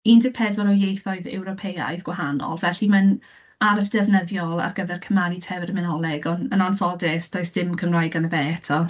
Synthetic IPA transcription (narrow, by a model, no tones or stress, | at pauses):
iːndɪɡ̚pʰɛdwɔɾɔjejθɔɨðɛ̰wɾɔpʰeja̰ɨðɡwaɦanɔ̰lˠvɛɬiman | aɾfd̥ɛvnəðjɔlˠa̰rɡəvɛrkʰəmanitʰɛvrmɪnɔlˠɛɡɔnənanfɔdɛsd̥ɔːɨsd̥ɪmkʰəmrajɡanəvɛtʰɔ